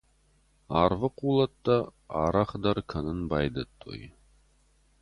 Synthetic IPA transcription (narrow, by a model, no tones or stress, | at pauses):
aːrvɨquːlˠɐt̪ːɐaːɾɐχd̪ɐrkʰɐnɨnbaːjd̪ɐt̪ʰʼːo̰ːj